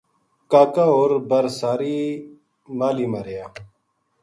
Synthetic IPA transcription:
kaːkaːoːɾbəɾsaːɾiː | maːliːmaɾejaː

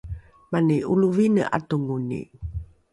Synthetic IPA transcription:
maniuluvinə̰ʔa̰tuŋunḭ

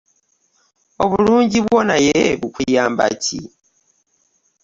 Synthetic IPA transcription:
oβuluːɲɟiβwonajeβukujaːmba̰cʰḭ

